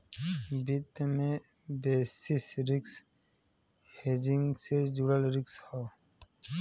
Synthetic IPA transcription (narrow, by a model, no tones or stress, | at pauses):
bit̪mẽ | beːsisɾɪks | heːd͡ʒiŋɡsed͡ʒuɽəlɾɪksha